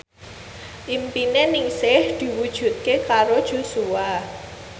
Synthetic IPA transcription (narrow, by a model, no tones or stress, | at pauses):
ʔimpinenɪŋsɪhd̪̥i̤wud̥ʒ̥ṳt̪̚kekaɾod̥ʒ̥o̤sua